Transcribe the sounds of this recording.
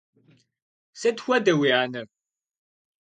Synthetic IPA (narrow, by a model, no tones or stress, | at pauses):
sɐtxʷɐdɐwiaːnɐ